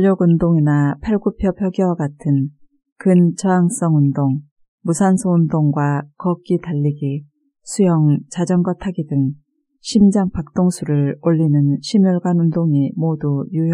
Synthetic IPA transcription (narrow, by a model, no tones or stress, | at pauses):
ʎːʌɡundoŋinapʰaɭɡupʰjʌpʰjʌɡiwaɡatʰɯn | kɯnt͡ɕʌaŋs͈ʌŋundoŋ | musʰansʰoundoŋɡwakʌk͈itaʎːiɡi | sʰujʌŋt͡ɕad͡ʑʌnɡwatʰaɡidɯŋ | ɕʰimd͡ʑaŋpak̚t͈oŋsʰuɾɯɭoʎːinɯnɕʰimjuɭɡwanundoŋimodujuj